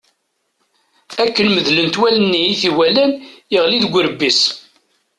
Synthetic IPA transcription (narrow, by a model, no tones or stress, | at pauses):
ækːənməðlənt̪wælənːijiθiwælænəʁliðɡʷəɾəbːis